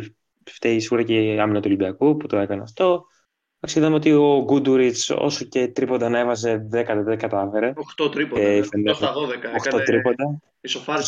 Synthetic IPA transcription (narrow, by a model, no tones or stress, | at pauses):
ft̪eisiɣuɾɐceɐminɐt̪uolibiɐkuput̪o̞ekɐneɐft̪o̞ | ɐkseɣit̪ɐmeot̪io̞ɡud̪uɾit͡so̰soce̞t̪ɾipo̞nd̪ɐnɐevɐs̬e̞ðekɐt̪eðekɐt̪ɐfe̞ɾe̞oxt̪ot̪ɾipofend̪esðoðekɐoxt̪ot̪ɾipo̞nd̪ɐ | isofɐ